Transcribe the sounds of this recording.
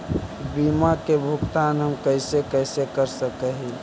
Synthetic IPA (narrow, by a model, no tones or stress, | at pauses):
bimakebʱʊɡt̪anɦəmkəɪsekəɪsekəɾsəkəɦi